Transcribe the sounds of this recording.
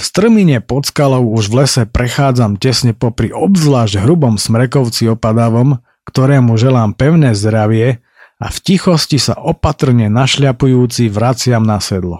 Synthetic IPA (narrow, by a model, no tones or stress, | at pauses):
fst̪r̩miɲɛpɔt͡skalɔʊuʒʋlɛsɛpɾɛxaːd͡zamcɛsɲɛpɔpɾiʔɔbzlaːʒɟɦɾubɔmsmɾɛkɔʊt͡siɔpad̪aʋɔm | kt̪ɔɾɛːmuʒɛlaːmpɛʊnɛːzd̪ɾaʋɪɛ | a̰fcixɔscisa̰ʔɔpat̪r̩ɲɛnaʃlɪapujuːt͡siʋɾat͡sɪamnasɛd̪lɔ̰